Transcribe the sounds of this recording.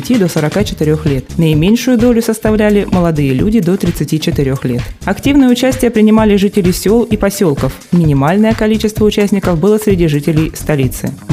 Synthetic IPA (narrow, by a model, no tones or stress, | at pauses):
tʲid̪o̞səɾɐkat͡ɕɪ̥t̪ɪɾʲo̞xlʲe̞t̪nəɪmʲenʲʂʊjʊd̪o̞lʲʊsəst̪ɐvlʲælʲɪməlˠɐd̪ɨjəlʲṵdʲɪd̪o̞t̪ɾʲɪt̪sɨtʲit͡ɕɪt̪ɪɾʲo̞xlʲe̞t̪ɐktʲivnɨjəʊt͡ɕæsʲtʲɪjəpɾʲɪnʲɪmalʲɪʐɨtʲɪlʲɪjsʲolˠipɐsʲolˠkəf | mʲɪnʲɪmalʲnəjəkɐlʲit͡ɕɪst̪vəʊt͡ɕæsʲnʲɪkəfbɨlˠəsɾʲɪdʲiʐɨtʲɪlʲɪjst̪ɐlʲit̪sɨ̰